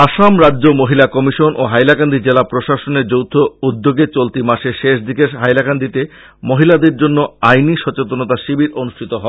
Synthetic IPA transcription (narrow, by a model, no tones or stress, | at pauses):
aʃamɾadːʑomoɦilakɔmiʃonʔo̰ɦajlakand̪ʱid͡ʑelapɾoʃaʃoneɾd͡ʑowt̪ʰoud̪ːoɡet͡ɕolt̪imaʃeʃeʃd̪ʱikeɦajlakand̪ʱit̪e | moɦilad̪eɾd͡ʑonːoajniʃɔt͡ɕet̪onot̪aʃibiɾonuʃʈʰit̪oɦɔe